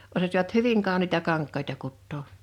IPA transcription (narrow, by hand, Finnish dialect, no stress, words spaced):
osɑsiʋɑt hyʋiŋ kɑˑoniːtɑ kɑŋkˑɑitɑ kutːoː